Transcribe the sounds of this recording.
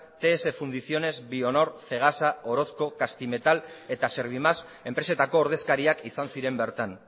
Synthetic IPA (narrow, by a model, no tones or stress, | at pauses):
t̪e̞ːse̞fund̪isio̞ne̞zbio̞no̞ɾθe̞ɣ̞asao̞ɾo̞sko̞kast̪ime̞t̪ale̞t̪ase̞ɾβ̞imas | e̞mpɾe̞se̞t̪ako̞ːɾð̞e̞skaɾiakisansiɾe̞mbe̞ɾt̪an